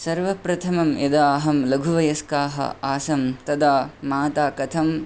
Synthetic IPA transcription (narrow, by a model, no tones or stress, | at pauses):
sɐɾʋɐpɾɐt̪ʰɐmɐmjed̪aːɦɐmlɐɡʱuʋɐjɐskaːɦɐ̰aːsɐmt̪ɐd̪aːmaːt̪aːkɐt̪ʰɐm